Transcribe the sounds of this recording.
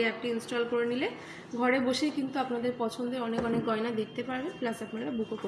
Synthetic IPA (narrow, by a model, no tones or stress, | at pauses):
ɛp̚ʈiinsʈɔlkoɾenile | ɡʱɔɾeboʃejkint̪uapnad̪eɾpɔt͡ɕʰond̪eɔnekɔnek̚ɡɔenad̪ek̚ʰt̪epaɾbeplasapnaɾabukoko